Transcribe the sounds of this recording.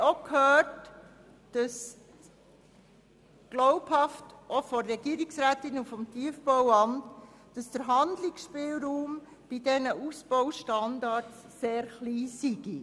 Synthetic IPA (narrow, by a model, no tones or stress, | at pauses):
ɔkhøːt | d̥ɑs | ɡ̥lɔʊbhɑftʔɔfɔːɛɡ̥iːɾiksɾæːtɪnufɔmtiəfbɔwɑmt | d̥ɑsd̥əɾɦɑnd̪lɪksʃpɪːlɾuːm | b̥idɛnəʔusb̥ɔwʃtɑndɑɾsːeːɾχliːsiɡ̥i